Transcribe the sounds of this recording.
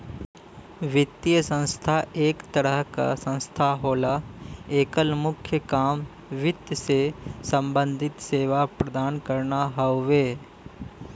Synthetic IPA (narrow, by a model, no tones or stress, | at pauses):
ʋɪt̪ːjjəsə̃nst̪ʰaʔeːkt̪əɾəɦka̰sə̃nst̪ʰaɦoːlaeːkəlmʊkʰjəkaːm | ʋɪt̪jsesə̃mbə̃nd̪ʱɪt̪seːʋapɾɐd̪aːnkəɾnaɦɐʋeː